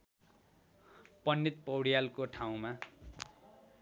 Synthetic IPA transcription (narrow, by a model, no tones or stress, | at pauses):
pʌnːit̪̚pʌwɽijalkoʈʰaw̃ma